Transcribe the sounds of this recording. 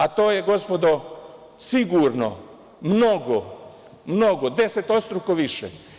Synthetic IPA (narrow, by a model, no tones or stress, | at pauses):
at̪oːjeɡo̞spod̪o | siɡuːɾno̰ | mnoɡo | mnoɡod̪e̞set̪ot̪st̪ɾukoʋiʃḛ